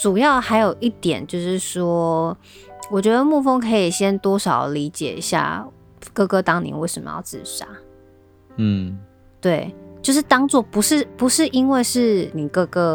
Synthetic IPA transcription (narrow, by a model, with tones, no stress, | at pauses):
ʈ͡ʂu˨˩jɑ˥˩ʊxa˧˥ɪjo˨˩ʊʔi˥˩t̪jɛ˨˩˦nt͡ɕjo˥˧ʊʂɻ̩˥˩ʂwɔ˥ | wɔ˨˩t͡ɕɥɛ˧˥d̪ə˧mu˥˩fo˥ŋkʰɤ˧˥i˨˩ɕjɛ˥nt̪wɔ˥ʂɑ˨˩ʊli˧˥t͡ɕjɛ̰˨˩i˧˥ɕja̰˥˩ | kɤ˥˧˩kɤ˥t̪ɑ˥ŋnḭ˨˦nwe˥˩ɪʂə˨˩mə̰˨jɑ̰˥˧ʊt͡sɻ̩˥˩ʂa̰˥˩ | t̪we˥˩ɪt͡ɕjo˥˧ʊʂɻ̩˥˩t̪ɑ˥ŋt͡swɔ˥˩pu˧˦ʂɻ̩˥˩pu˧˥ʂɻ̩˥˩ʔi˦˥nwe˥˧ɪʂɻ̩˥˩ni˨˩kɤ˥˧kɤ˥